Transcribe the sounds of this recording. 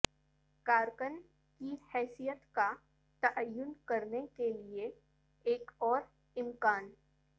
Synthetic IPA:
kaːɾkən | kihɛːsijət̪ka | t̪ɐʔəjːʊnkɐɾnekelie | eːkɔːɾ | ɪmkaːn

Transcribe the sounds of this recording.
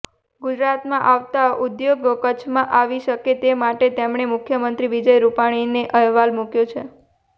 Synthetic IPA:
ɡud͡ʒɾat̪mãʔaʋt̪aʔud̪joɡkət͡ʃʰmãʔaʋiʃəket̪emaʈet̪emɳemʊkʰjəmənt̪ɾiʋid͡ʒəjɾupaɽ̃ineʔəɦʋalmukjot͡ʃʰe

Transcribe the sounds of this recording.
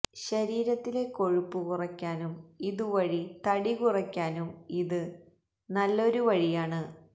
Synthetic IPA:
ɕɐɾiːɾɐt̪ːile̞ko̞ɻupːukurɐkʲːaːnumiðuʋɐɻit̪ɐɽikurɐkʲːaːnumiðɨ | nɐlːo̞ɾuʋɐɻijaːɳɨ

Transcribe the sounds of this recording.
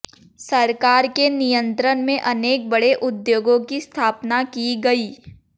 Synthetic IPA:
sɐɾkaːɾkenijə̃nt̪ɾənmẽʔɐneːk̚bɐɽeʔʊd̪joːɡõkist̪ʰaːpnakiɡɐiː

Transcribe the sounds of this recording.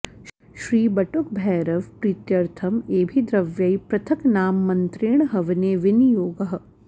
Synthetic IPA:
ʃɾiːbɐʈʊk̚bʱɛːɾɐʋpɾiːt̪jɐɾt̪ʰɐmeːbʱid̪ɾɐʋjɐipɾɐt̪ʰɐknaːmːɐnt̪ɾɪɳ̃ɦɐʋneːʋɪnjoːɡəɦ

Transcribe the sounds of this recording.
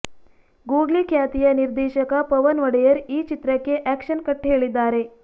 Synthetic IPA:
ɡuːɡlikjaːt̪ijɐniɾd̪ɛːʃɐkɐpɐʋɐnʋɐɽɐjɐɾiːt͡ʃit̪ɾɐkːe̞ʔæːkʃɐnkɐʈːɦeːɭid̪ːaːɾe̞

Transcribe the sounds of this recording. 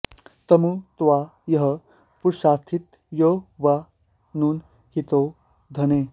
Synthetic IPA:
t̪ɐmut̪ʋajəɦə | puɾʃaːt̪ʰit̪ | joʋa | nuːn | hit̪o | d̪ʱəne

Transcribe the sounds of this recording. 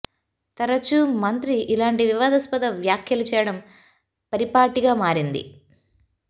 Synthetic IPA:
t̪ɐɾɐt͡ʃumɐnt̪ɾiʔːlaːɳʈiʋiʋaːd̪ɐspɐd̪ɐʋjaːkʰjɐlut͡ʃɛːjɐɽɐm | pɐɾipaːʈiɡaːmaːɾind̪ḭ

